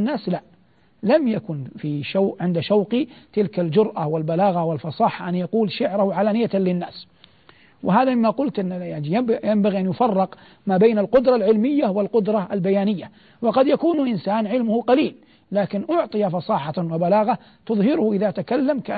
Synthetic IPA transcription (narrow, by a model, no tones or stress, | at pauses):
nːaːsla | lamjakʊnfiʃawʔʕɪnd̪aʃawqit̪ɪlkald͡ʒʊɾʔawɪlbalaːɣawɪlfɑsˤɑːħaʔanjaquːlʃaʕɾahʊʕalaːnɪjːalɪnːaːs | wʔɪɦaːðamɪmːaqʊlt̪ʔɪnːjaʕnijabjambaɣiʔanjʊfɑrˤːɪq | maːbeːnalqʊd̪ɾˤɑlʕɪlmɪjːawɪlqʊd̪ɾˤɑʔalbajaːnɪjːa | wɑqɑd̪jakuːnʔɪnsaːnʕɪlmʊhʊqɑliːlː | aːkɪnʔʊʕt̪ˤɨjafɑsˤɑːħɑwabalaːɣa | t̪ʊðˤhɪɾʊhʊʔɪðaʔat̪akalːamka